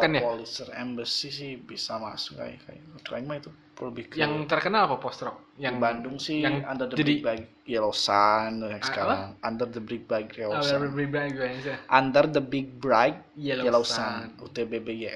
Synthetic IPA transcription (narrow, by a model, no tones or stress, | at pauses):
kanjaolisərɛ̰mbəsihsɪhbisama̰sʊka̰ja̰ka̰jat̪ɾa̰kmait̪u | pɾobikaŋt̪ərkənalapapɔst̪ɾɔk̚ | jaiŋbandʊŋsɪand̪ərd̪əd͡ʒdik̚bajk | jalausanaskaɾaŋand̪ərd̪əbɾiɡ̚bɾajklaəbiɡ̚bak̚asʔand̪ərd̪əbɪɡ̚bɾajk̚alasanut̪ebebeja